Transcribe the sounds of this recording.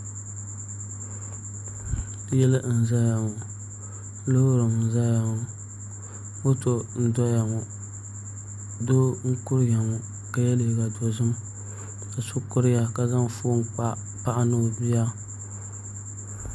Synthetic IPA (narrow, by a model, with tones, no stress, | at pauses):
jɛ˦lɨ˦n̩˨za˦ja˨ŋɔ˨ | lʊ˦hʊ˦ɾɨ˨m˨za˦ja˨ŋʊ˨ | o˦to˨n̩˦dɔ˦ja˨ŋʊ˨ | do˦ŋ̩˦kʊ˦ɾja˨ŋʊ˨ | ka˨jɛ˦le˨ɡa˨do˨zɨ˦m | ka˨sʊ˦kʊ˦ɾɪ˦ja˨ka˨za˦ŋ˨fo˦ŋ˨k͡pa˦ | pa˦ʔa˦nɨ˦˨bi˦ja˦